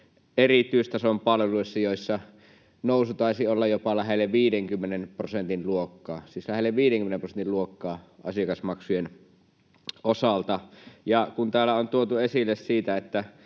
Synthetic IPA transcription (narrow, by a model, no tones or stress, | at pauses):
erit̪ˑyist̪ɑsompɑlʋeluisːɑjoˑisːɑ | noˑusut̪ɑˑisiolːɑjopɑlæɦelːeʋʋiːdeŋkymːenenprosent̪inluokːɑːsislæhelːeʋʋiːɾeŋkymenemprosenilluokːɑːɑsiɑkɑsmɑksujen | ʔosɑlt̪ɑjɑkunt̪æːlːˑæont̪uot̪uesilːessiːt̪æet̪ːæ